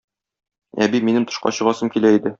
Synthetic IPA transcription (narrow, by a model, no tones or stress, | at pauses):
æ̰biminɘmt̪ʰŏʃqɑ̰ɕɤ̆ʁɑsɤmkilæid̪ɘ